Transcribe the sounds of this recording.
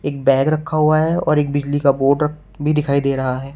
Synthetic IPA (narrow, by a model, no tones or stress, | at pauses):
eːk̚bɛ̃ːɡɾɐkʰːaɦuaɦɛɔːɾeːk̚bɪd͡ʒlikaboːʈɾɐk | bʱid̪ɪkʰaːid̪eːɾɐɦaɦɛː